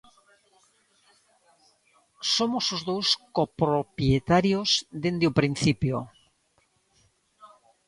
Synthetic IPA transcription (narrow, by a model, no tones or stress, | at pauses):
somosozðowskopɾopjet̪aɾjozðend̪eupɾin̟θipjo